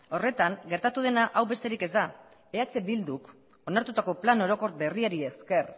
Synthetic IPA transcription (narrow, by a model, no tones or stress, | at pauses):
o̞re̞t̪aŋɡe̞ɾt̪at̪uð̞e̞naʔawβe̞st̪e̞ɾike̞zd̪a | e̞at͡se̞bild̪uk | o̞naɾt̪ut̪ako̞plano̞ɾo̞ko̞ɾbe̞riaɾie̞ske̞r